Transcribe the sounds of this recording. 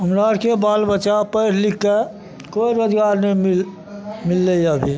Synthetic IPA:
ɦəmɾaːɾkebaːlbət͡ʃapəɪɾlikːe | koːiɾoːd͡ʒɡaːɾnəimil | mɪlːejabʱi

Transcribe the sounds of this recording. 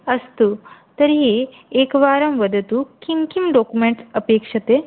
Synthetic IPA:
əst̪ut̪əɾie | ekʋaɾəmʋəd̪ət̪ukimkimɖokumeɳʈsəpekʂət̪e

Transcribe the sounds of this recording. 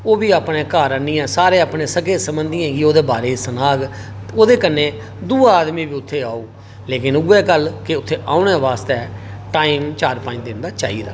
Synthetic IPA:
oːbiːaːpneːkaːɾəniːɛ̃ːsaːɾeːaːpɳeːsəkeːsəmbənd̪ijãːɡiːoːd̪eːbaːɾeːsənaːɡ | oːd̪eːkənːeː | d̪uːaːd̪miːbiːʊt̪ʰːeːaːuː | leːkɪnuːɛːkəlkɪʊt̪ʰːeːʔaːʊneːʋaːst̪eːʈaːiːmt͡ʃaːɾpãːɲd̪ɪnd̪aːt͡ʃa̰ːḭːd̪a̰ː

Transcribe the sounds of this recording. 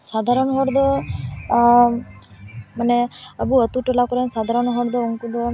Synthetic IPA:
sad̪ʱaɾɔnɔɦɔɾd̪ɔ | manɛəbuət̪uʈɔlakɔɾɛnsad̪ʱaɾɔnɔɦɔɾd̪ɔuŋkud̪ɔ

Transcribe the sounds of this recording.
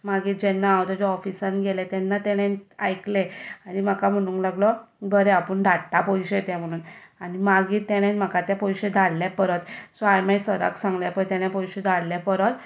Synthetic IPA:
maɡiːɾd͡ʑɛnːaːwt̪ɔd͡ʑeɔfisənɡelet̪ɛnːat̪ɛɽ̃ẽnajkleaɽ̃im̤akam̤əɽ̃ũːŋklaɡlɔbəɾeapəɳɖʱaɽʈ̪apɔjɕet̪ɛ̃m̤əɽ̃uːnanimaɡiːɾt̪ɛɽ̃ẽnm̤akat̪ãpɔjɕed̪ʱalljapəɾət̪sajmajsəɾə̰ksãŋɡlapəɾt̪ɛ̃ɽ̃jãpɔjɕed̪ʱallapəɾət̪

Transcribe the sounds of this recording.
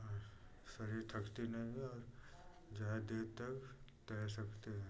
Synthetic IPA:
ɔːɾsɐɾiɾt̪ʰɐkt̪inɐ̃bʱiɔːɾ | d͡ʒaːd̪eːt̪ɐkt̪ɛːsɐkt̪eɦɛ̃ː

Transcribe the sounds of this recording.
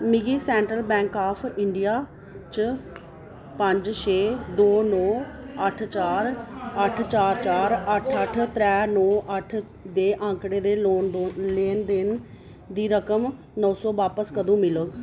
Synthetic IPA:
mɪɡiːsɛːɳʈɾəlbɛ̃ːŋkaːpʰɪɳɖijaː | t͡ʃə | pəɲd͡ʒʃʰeːd̪oːnɔːəʈʰt͡ʃaːɾəʈʰt͡ʃaːɾt͡ʃaːɾəʈʰəʈʰt̪ɾɛːnɔːʔəʈʰ | d̪eːʔãːŋkɽeːd̪eːloːnd̪oleːnd̪ɪn | d̪iːɾəkəm | nɔ̃ːsɔːʋaːpəskəd̪õːmɪləɡ

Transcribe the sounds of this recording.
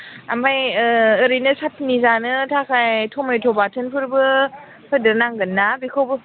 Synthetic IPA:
ʔa̰mbajəəɾinəsat̚ʰnizanɯtʰakajtʰometʰobatʰənpʰɯɾbə | pʰədənaŋɡənːabikʰob

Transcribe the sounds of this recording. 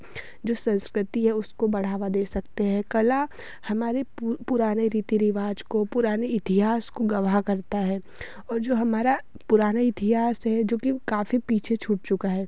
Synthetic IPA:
d͡ʒoːsɐ̃nskɾɪt̪iɦɛʊskobɐɽ̤aːʋad̪eːsɐkt̪eɦɛ̃kɐla | hɐmaːɾepʊɾaːneɾiːt̪iɾɪʋaːd͡ʒkopʊɾaːneɪt̪iɦaːskoɡɐʋaɦkɐɾt̪aɦɛː | ɔːɾd͡ʒoːɦɐmaːɾa | pʊɾaːnaɪt̪iɦaːsɦɛd͡ʒoːkikaːfipiːt͡ʃʰet͡ʃʰʊːʈ̚t͡ʃʊkaɦɛː

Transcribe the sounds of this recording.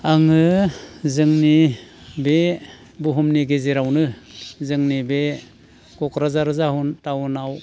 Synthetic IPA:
aŋɯzɯŋnibe | buɦumniɡezeɾawnɯzɯŋnibe | kɔkɾazaɾzaɦuntawunaw

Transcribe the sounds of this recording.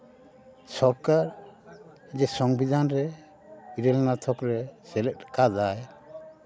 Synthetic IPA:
sɔɾkaɾ | id͡ʒɛsɔŋbid̪ʱanɾɛ | iɾɛlnat̪ʰɔkɾɛsɛlɛt̚kad͡ʒaj

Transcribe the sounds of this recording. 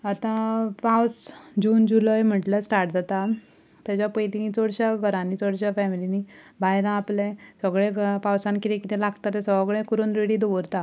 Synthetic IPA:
at̪ãpawsd͡ʑuːnd͡ʑuləjm̤əʈləsʈaɾʈd͡zat̪a | t̪jat͡ɕjapəjlit͡sɔɽɕaɡʱəɾãnit͡sɔɽɕjafɛmilini | bʱajɾãaplɛ̃səɡɭeɡpawsãnkit̪ʰẽkit̪ʰelaɡt̪at̪esəʋɡɭẽkuɾuːnɾeɽid̪ɔʋəɾt̪a

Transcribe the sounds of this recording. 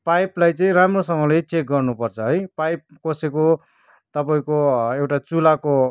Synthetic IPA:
pajplajt͡sʌĩɾamrosʌŋɡʌlet͡sek̚ɡʌrnupʌrt͡sʰʌɦʌjpajp̚koseko | t̪ʌpaĩkoewʈat͡sulako

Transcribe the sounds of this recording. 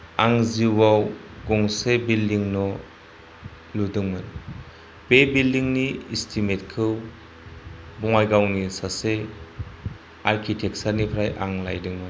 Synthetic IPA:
aŋziwaw | ɡɔŋsebildiŋnɔ | ludɯŋmɯn | bebildiŋniistʰimet̚kʰɯw | bɔŋajɡawnisase | aɾkʰitʰek̚saɾnipʰɾajʔa̰ŋla̰jdɯŋmɯn

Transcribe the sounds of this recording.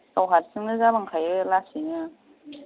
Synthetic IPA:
tawɦatsɯŋnɯzabaŋkʰajɯlasinɯ

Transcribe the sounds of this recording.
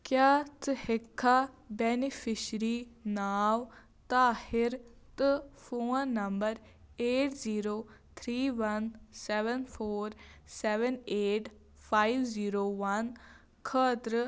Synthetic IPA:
kjaːt̪ɨhɪkʰːa | benifɪʃɾiːnaːʋ | t̪aːhɪɾt̪ɨfõːnɐmbəɾ | eːʈziːɾoːt̪ʰɾiːʋɐnsɛːʋənfoːɾsɛʋəneːʈ | faːiʋziːɾoːʋɐn | kʰəːt̪ɾə

